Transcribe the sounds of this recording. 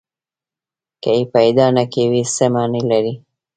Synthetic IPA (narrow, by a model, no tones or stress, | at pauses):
kaipajd̪ɑnakewisəmɑnəjlaɾi